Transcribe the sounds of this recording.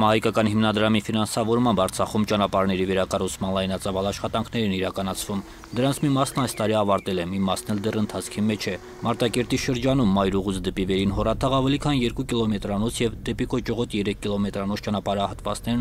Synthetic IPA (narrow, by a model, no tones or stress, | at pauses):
mɑhɑjkɑkɑnhimnɑd̪ɾɑmifinɑnsɑvɔɾmɑmbɑɾt͡sʰɑχumt͡ʃɑnɑpɑɾnɛɾivɛɾɑkɑrut͡sʰmɑnlɑjnɑt͡sɑvɑlɑʃχɑt̪ɑŋkʰnɛɾniɾɑkɑnɑt͡sʰvum | d̪əɾɑnt͡sʰmimɑsnɑjst̪ɑɾiɑvɑɾt̪ɛlɛmimɑsnɛld̪ɛrənt̪ʰɑt͡sʰkʰimɛt͡ʃʰɛ | mɑɾt̪ɑkɛɾt̪iʃəɾd͡ʒɑnumːɑjɾuʁut͡sd̪ɛpivɛɾinɦɔrɑt̪ʰɑʁɑvɛlikʰɑnjɛɾkukilɔmɛt̪ɾɑnɔt͡sʰjɛvd̪ɛpikɔt͡ʃɔʁɔt̪jɛɾɛkʰːilɔmɛt̪ɾɑnɔt͡sʰt͡ʃɑnɑpɑɾəɑhɑt̪vɑ̰t͡snɛɾ